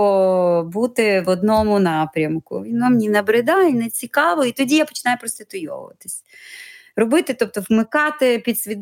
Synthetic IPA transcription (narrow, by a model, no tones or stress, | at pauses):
ɔbut̪ɪʋɔd̪nɔmʊnɑpɾʲɐmkʊ̰ʋʲinɔmnʲinɐbɾɪd̪ɑinɛt͡sʲikɑʋɔit̪ɔdʲijapɔ̥t͡ʃɪnɑjʊpɾɔst̪ɪt̪ʊjɔ̰ʋ̰ʋɐ̰t̪ɪ̥sʲ | rɔbɪt̪ɪt̪ɔp̚t̪ɔʋmɪkɑt̪ɪpʲid̪sʲʋʲid̪